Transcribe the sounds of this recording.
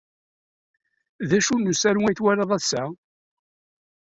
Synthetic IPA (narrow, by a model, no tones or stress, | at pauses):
ðæʃunːusæɾuŋæjθwæɾəðˤæsæ